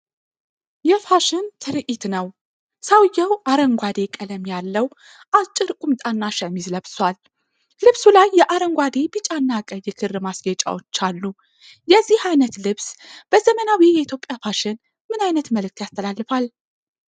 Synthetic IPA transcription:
jɛfaʃɪnt̪ʰɨɾʔit̪nəw | sawjːəwʔaɾəŋɡʷad̪e̞kʼələmjalːəw | ʔat͡ʃʼːɨɾkʼumt̪ʼanːaʃəmizləβswal | lɨβsulajːɛʔaɾəŋɡʷad̪e̞bɨt͡ʃʼanːakʼəjːɛkʰɨrɨmasɡət͡ʃʼa̰wot͡ʃːalːu | jɛzːihajnət̪lɨβsb̥əzəmənawijɛit̪ʰjo̞pʼjafaʃɪn | mɨnajnət̪məlɨk̚t̪jast̪ʰəlalːɨfal

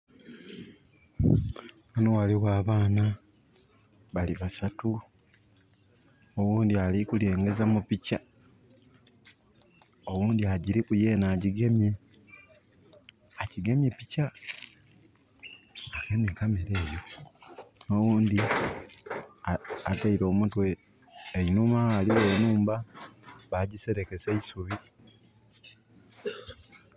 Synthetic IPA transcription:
anowaliwaːβaːna | βaliβasatu | owuːnd̪ialikule̞ːŋɡe̞zamupica | owuːnd̪iaɟiɾikuje̞ːnaːɟiɡe̞mje | ciɡe̞mjepica | akemekameɾe̞ːjo̞ | no̞wuːnd̪i | ataiɾo̞ːmutweː | inumaaːliwenuːmbaβaɟise̞ɾeke̞seisuβi

